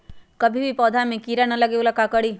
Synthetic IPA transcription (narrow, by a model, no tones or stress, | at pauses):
kɐbʱibʱipɔːd̪ʱamẽkiːɾanɐlɐɡeoːlakakɐɽiː